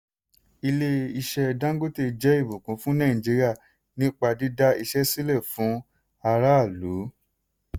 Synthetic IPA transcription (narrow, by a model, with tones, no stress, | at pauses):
i˧le˧i˧ʃɛ˧dã˦ŋ˦ɡo˦te˧d͡ʒɛ˨˦i˦˨bũ˨kũ˨˦fũ˦nã˦˨d͡ʒi˨˧ɾi˦a˦˨ | nĩ˦k͡pa˧di˦da˦i˧ʃɛ˦si˦lɛ˦˨fũ˨˦ | a˧ɾa˦˨lu˨˦